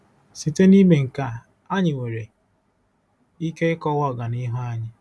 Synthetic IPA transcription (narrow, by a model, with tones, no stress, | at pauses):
si˨te˦ni˦me˨ŋ̩˨ka˨ | a˦ɲɪ˨we˨ɾe˨ | i˦ke˦ɪ˦kɔ˦wɔ˦˨ɡa˨ni˦ɦo˦a˦ɲɪ˦